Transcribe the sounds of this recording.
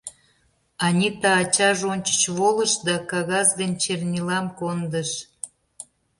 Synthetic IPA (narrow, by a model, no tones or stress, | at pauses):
ɑnʲit̪ɑːt͡ɕɑʒonʲt͡ɕə̥t͡ɕβolə̆ʃd̪ɑkɑɣɑzd̪ənʲt͡ɕernʲilɑmkond̪əʃ